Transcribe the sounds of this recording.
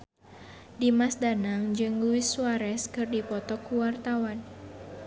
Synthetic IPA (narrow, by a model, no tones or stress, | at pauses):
dimasdanaŋd͡ʒɨŋluɪsːuaɾɛskɨrdipɔt̪ɔkuwart̪awan